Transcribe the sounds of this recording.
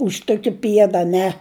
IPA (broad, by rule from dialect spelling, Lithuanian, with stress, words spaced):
ʊʃ ˈtʊkʲɪ ˈpʲiɛdɐ ɐˈnʲɛ